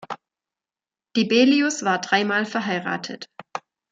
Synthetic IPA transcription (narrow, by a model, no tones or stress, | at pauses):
d̥iːbeːliʊsv̥aːɐdʁaɪmaːlfɛɐɦaɪʁa̰ːtʰə̰t